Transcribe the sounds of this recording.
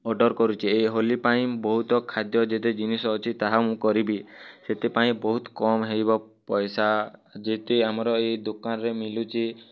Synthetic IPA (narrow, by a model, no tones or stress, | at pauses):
ɔɖɔɾkɔɾut͡ʃʰieɦolipaĩbɔɦut̪ɔkʰad̪jɔd͡ʒet̪ed͡ʒinisɔːt͡ʃʰit̪aɦamũkɔɾibiset̪epaĩbɔɦut̪kɔmɦejbɔ | pɔjsad͡ʒet̪eamɔɾɔejd̪okanɔɾemilut͡ʃʰi